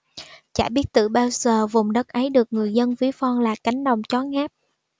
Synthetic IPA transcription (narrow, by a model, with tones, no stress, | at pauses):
t͡ɕa̰ː˧˩ɓi˦˥ət̚t̪ɨ̰˧˨ɓaː˧wzəː˨˩vʊ˨˩ŋ͡mɗə˦˥t̚ʔə˨˦jɗɨ˨˩ək̚ŋɨ˨˩əjzə˧nvi˨˦əfɔ˧nlaː˨˩ka˨˦jŋ̟ɗə˨˩wŋ͡mt͡ɕɔ˨˦ŋaː˦˥p̚